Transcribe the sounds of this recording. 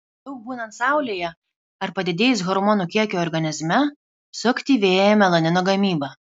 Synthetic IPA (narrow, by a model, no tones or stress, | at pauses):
d̪ɐʊk̚buːnɐnt̪sɑˑʊlʲeːjɛ | ɐɾpɐd̪ʲɪd̪ʲeːjsɣɔɾmoːnuːkʲiɛkʲuɔɾɡɐnʲɪzʲmʲɛ | sʊkt̪ʲiːʋʲeːjjɛmʲɛlˠɐnʲɪnoːɡɐmʲiːbɐ